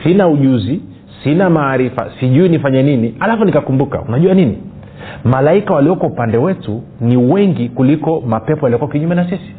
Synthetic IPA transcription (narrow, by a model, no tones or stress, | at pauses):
sinauʄuzi | sinamaːɾifa̰siʄuinifaɲɛninialafunikakumbuka̰unaʄuaninḭ | malaikawaliɔkaupandɛwɛtu | niwɛŋɡikulikɔmapɛpɔjaliɔkuwakiɲumɛnas̬isi̥